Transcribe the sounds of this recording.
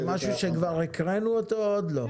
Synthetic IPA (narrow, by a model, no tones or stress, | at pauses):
maʃuʃekvaʁekʁenuot̪ood̪lo̞